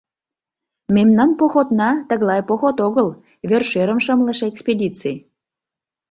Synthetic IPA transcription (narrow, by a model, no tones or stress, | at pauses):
memnɑnpoxot̪nɑt̪əɣlɑjpoxot̪oɣəl | βerʃeɾəmʃəmlə̆ʃekspedʲit͡sij